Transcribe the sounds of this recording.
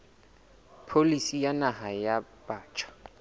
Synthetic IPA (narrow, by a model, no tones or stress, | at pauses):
pʰolisijanaɦajab̥aːt͡ʃʰʼɔ̥